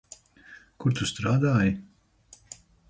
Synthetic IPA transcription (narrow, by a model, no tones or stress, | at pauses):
kuɾt̪ust̪ɾaːd̪aːji